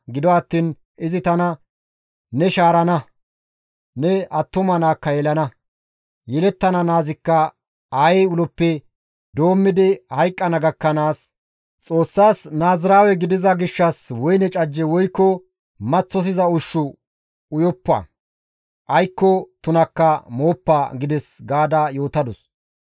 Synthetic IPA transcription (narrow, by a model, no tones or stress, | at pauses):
ɡɪd̪ɔɐt̪ːiːn | ʔɪzɪt̪ɐnɐ | nɛʃaːɾɐnɐ | nɛɐt̪ːʊmɐnaːkːɐjɛlɐnɐ | jɛlɛt̪ːɐnɐnaːzɪkːɐ | aːjɛjʊlɔpːɛ | d̪o̞ːmːɪd̪ɪhɐjkʼːɐnɐɡɐkːɐnaːs | t͡sʼo̞ːsːaːsnaːzɪɾaːwɛɡɪd̪ɪzɐɡɪʃːɐswɔjnɛt͡ʃʼɐd͡ʒːɛwɔjkːɔ | mɐt͡sːɔs̬ɪzɐʊʃːʊ | ʊjɔpːɐ̰ | ʔɐjkːɔt̪ʊnɐkːɐmoːpːaɡɪd̪ɛsɡaːd̪ajo̞ːt̪ɐd̪ʊs